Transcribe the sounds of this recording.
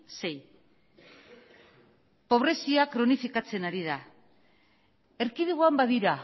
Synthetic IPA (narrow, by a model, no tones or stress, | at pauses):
se̞j | po̞β̞ɾe̞siakɾo̞nifikat͡se̞naɾiða | e̞ɾkiðuɣoambaðiɾa